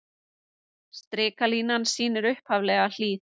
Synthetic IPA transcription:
st̪ɾɪːkaliːnansiːnɪɾʏhphavlɛɣal̥iːt

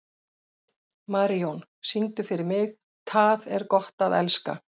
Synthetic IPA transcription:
maːɾiɔnsint̪ʏfɪɾɪɾmɪx | t̪ʰaðɛɾkɔht̪aðɛlska̰

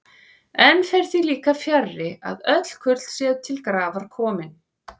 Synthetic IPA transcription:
ɛnfɛjɾ̥θiliːkafjarːɪa̰ðœt̪l̥kʰʏt̪lsjɛːðt̪ʰɪlkɾaːvaɾ̥kʰɔːmɪn

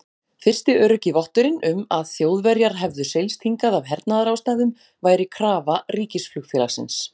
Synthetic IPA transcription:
fɪr̥st̪ɪœːɾʏcɪvɔht̪ʏɾɪnʏmaðθjoːwðvɛɾjaɾ̥ɦɛvðʏsejlst̪ʰiŋkaðavɦɛɾt̪̚naðaɾawst̪ajðʏm | vaːjɾɪkʰɾaːvariːcɪsflʏxfɛlaxsɪ̰ns

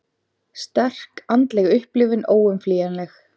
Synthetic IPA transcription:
st̪ɛr̥kant̪lɛɣʏhplɪvɪnoːwʏmfliːjanlɛx

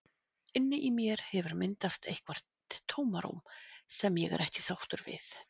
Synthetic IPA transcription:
ɪnːɪʔimjɛɾ̥hɛvʏɾmɪnt̪ast̪ʰejhkvar̥ʰː | oːwmaɾṵmsɛmjɛɣɛ̰ɾʔɛhcɪ̥sawht̪ʏɾvɪ̰θ

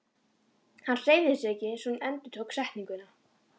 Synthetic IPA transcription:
hanːr̥eːjvðɪsɛcɪsɔnɛnt̪ʏt̪ʰowksaht̪niŋkʏna

